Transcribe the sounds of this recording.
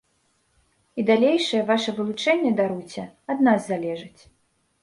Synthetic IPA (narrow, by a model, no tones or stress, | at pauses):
id̪alʲejʂɐjɛvaʂɐvɨlˠut͡ʂɛnʲːɛd̪aɾut͡sʲɐ | ad̪nazːalʲɛʐɨt͡sʲ